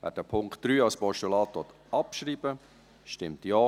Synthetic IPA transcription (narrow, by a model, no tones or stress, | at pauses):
væ̰ːd̥əpʰʊŋktd̥ɾyːɑlspɔʃtulɑːt̪ʋɔt̪ | ɑpʃɾiːbə | ʃtɪmt̪jɔː